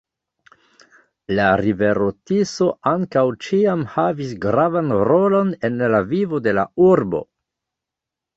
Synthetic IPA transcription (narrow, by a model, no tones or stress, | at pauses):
laɾive̞ɾotiso̞ʔaŋkawt͡ʃiamhavisɡɾavanɾo̞lo̞ne̞nlavivo̞de̞la̰uɾbo̞̰